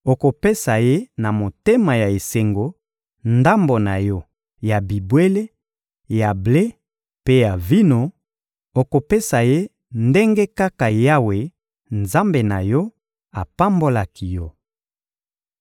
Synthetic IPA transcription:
o˨ko˨pe˦sa˨je˦na˨mo˨te˦ma˨ja˨e˨se˨ŋɡo˨ | nda˦mbo˨na˨jɔ˦ | ja˨bi˨bwe˦le˦ | ja˨ble˦ | pe˦ja˨vi˦no˦ | o˨ko˨pe˦sa˨je˦ | nde˦ŋɡe˦ka˦ka˨ja˦we˨ | nza˦mbe˨na̰˨jɔ˦ | a˨pa˦mbo˦la˨ki˨jɔ˦

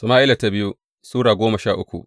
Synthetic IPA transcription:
sʊ˨maː˦ʔɪ˦la˨ta˦bɪ˦ju˦ | suː˦ɽaː˨ɡʷoː˦mɐ˨ʃaː˦˨ʔʊ˦kʷṵ˨ʔ

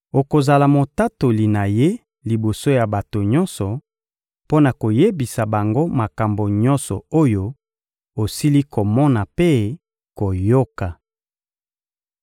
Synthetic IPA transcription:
o˨ko˨za˨la˨mo˨ta˦to˨li˨na˨je˦ | li˨bo˨so˦ja˨ba˨to˨ɲɔ˦nsɔ˨ | po˦na˨ko˨je˦bi˨sa˨ba˨ŋɡo˦ma˨ka˨mbo˨ɲɔ˦nsɔ˨o˦jo˦ | o˨si˦li˦ko˨mɔ˦na˨pe˦ | ko˨jo˦ka˨

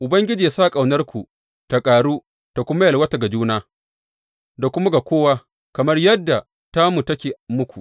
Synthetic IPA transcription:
ʔʊ˨bɐ˦ŋɡʲɪ˦d͡ʒiː˨a˦sa˦˨kʼa˨wnɐ˦rkʷu˨ | ta˨kʼaː˨ɽuː˦ | ta˨kʷʊ˦ma˦jɐ˨lwɐ˦ta˨ɡa˨d͡ʒuː˦naː˦ | da˨kʷʊ˦ma˦ɡa˨kʷoː˦wa˦ | kɐ˨mɐ˦rjɐ˦dːa˨ | ta˦mu˨tɐ˦kʲeː˨mʊ˦kʷu˨

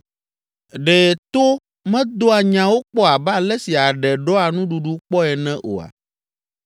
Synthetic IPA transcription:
ɖɛ˨t̪o˦ | mɛ̃˦d̪o˦a˨ɲã˨wo˦k͡pɔ˦a˨ba˦lɛ˦si˨a˨ɖɛ˨ɖɔ˦a˨nũ˦ɖu˨ɖu˦k͡pɔ˦ɛ˨nɛ̃˦ʔo̰˨a̰˨

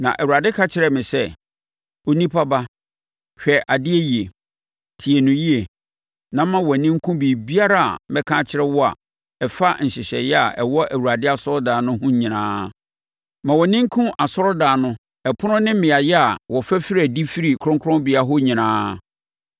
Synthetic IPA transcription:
nã̰˨ʔæ˨wu˨ɾa˨dɪ˦kʰa˦t͡ɕʰɪ˨ɾɛ˨mɪ̃˨sɛ˦ | o˦nĩ˦pʰa˦ba˦ | ɕᶣɛ˨ʔa˨dɪ˦ɛ˦ji˨e˨ | tʰi˨e˨nʊ̃˨ji˦e˨ | nã˦mːã˦wɔ˨nĩ˦ŋ˦kʰũ˦bi˨bi˦a˦ɾa˦˨a̰˨mɛ˦kʰãː˦t͡ɕʰɪ˦ɾɛ˦wɔ˦a̰˨ | ɛ˨fa˦ɲ̩˨ɕɪ˨ɕɛ̰˨jɛ˦a̰˨ʔɛ̰˨wɔ˦ʔæ˨wu˨ɾa˨dɪ˦a˨sɔ˦ɾɔ˦daː˨nʊ̃˦hʊ̃˦ɲĩ˨nã̰ː˦ | mã˨wɔ˨nɪ̃˦ŋ̩˦kʰũ˦ʔa˨sɔ˦ɾɔ˦daː˨nʊ̃˦ | ɛ˨pʰʊ˦nʊ̃˦nɪ̃˦m̩˦mɪ̃˨a˨jɛ˦a˨wɔ˨fæ˦fɪ˦ɾæ˨di˦fi˦ɾi˨kʰɾʊ̃˦ŋkʰɔ̃˦bi˨a˦ɦʊ˦ɲĩ˨nãː˦

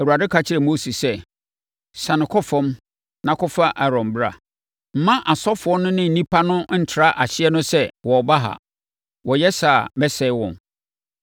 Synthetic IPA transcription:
æ˨wu˨a˨dɪ˦kʰa˦t͡ɕʰɪ˦ɾɛ˨mo˦si˨sɛ˦ | sã˨nʊ̃˨kʰɔ˦fɔ̃˦m | nã˨kʰɔ˦fa˦ʔa˨ɾɔ̃˨mbɾa̰˨ | m̩˨mã˦ʔa˨sɔ˦fʊ˨ɔ˦nʊ̃˦nɪ̃˦n̩˨nĩ˦pʰa˦nʊ̃˦n̩˦˨tʰɪ˨ɾa˦ʔa˨ɕɪ˦ɛ˦nʊ̃˦sɛ˦wɔ˨ba˦ɦa̰˨ | wɔ˨jɛ˦saː˨bɛ˦sɛ˦ɪ˦wɔ̰̃˨n

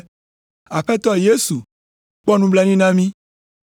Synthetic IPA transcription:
a˨ɸɛ˦t̪ɔ˦je˦su˨ | k͡pɔ˦nũ˦bla˦nĩ˦nã˦mĩ˦

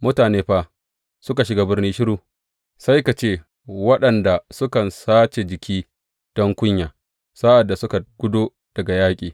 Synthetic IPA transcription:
mʊ˦taː˨neː˦ɸa˦ | sʊ˦ka˨ʃɪ˨ɡaː˦bɪ˦rniː˦ʃɪ˦ɽuː˨ | sa˦jka˨t͡ʃeː˦ | wɐ˦ɗɐ˨nda˨sʊ˦kɐ˨nsaː˦t͡ʃe˨d͡ʒɪ˨kʰʲiː˦ | d̥ɔ˦ŋkʷʊ˦ɲjaː˨ | saː˦ʔa˨dːa˨sʊ˦ka˨ɡ̥ʷʊ˦doː˦ | d̥ɐ˨ɡa˨jaː˦kʲʼiː˨

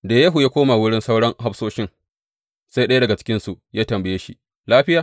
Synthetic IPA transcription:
daː˨jɐ˦ɦu˨jaː˦kʷoː˦ma˨wʊ˦ɽɪ˦nsa˦wɽɔ˦ŋɦa˦ɸsoː˦ʃɪ˦ŋ | sa˦jɗɐ˦ja˦dɐ˨ɡa˨t͡ʃɪ̥˦kʲɪ˦nsu˨ʔjaː˦tɐ˨mbɐ˨jeː˦ʃi˦ | laː˦ɸɪ˦jaː˨

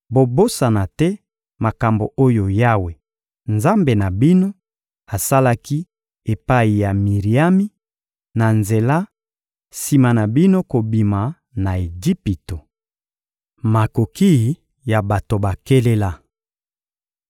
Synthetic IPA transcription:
bo˨bo˦sa˨na˨tɛ˦ | ma˨ka˨mbo˨ʔo˦jo˨ja˦we˨ | nza˦mbe˨na˨bi˦no˦ | a˨sa˦la˦ki˦ | e˨pa˦i˨ja˨mi˨ʁi˨a˦mi˦ | na˨nze˨la˦ | si˨ma˨na˨bi˦no˦ko˨bi˨ma˨ | na˨e˨d͡ʒi˦pi˨to˨ | ma˨ko˨ki˦˨ | ja˨ba˨to˨ba˨ke˦le˦la˦

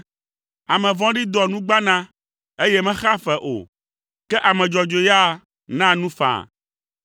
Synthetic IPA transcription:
a˨mɛ̃˨vɔ̃˦ɖi˦d̪ɔ˨nũ˦ɡ͡ba˦nã˦ | e˦jɛ˦mɛ̃˦xa˦fɛ˨ʔo̰˨ | kɛ˦ʔa˨mɛ̃˨d͡ʒɔ˨d͡ʒo˨ja˦ | nã˦nũ˦fã̰˨

